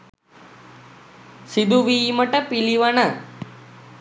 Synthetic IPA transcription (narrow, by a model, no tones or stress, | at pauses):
sid̪uʋiːməʈəpiliʋanɐ